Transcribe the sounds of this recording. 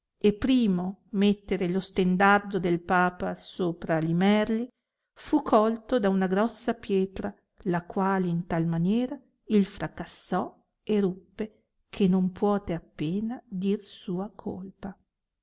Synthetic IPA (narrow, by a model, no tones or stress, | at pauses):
epːɾiːmomet̪ːeɾelost̪end̪ard̪od̪elpaːpasoːpɾalimɛrli | fukʰːɔlt̪od̪aunaɡɾɔsːapjɛːt̪ɾa | lakwaːleint̪almanjɛːɾa | ilfɾakasːɔ | erupːe | kʰenompwɔːt̪eapːeːnad̪irsuːakʰo̰lpa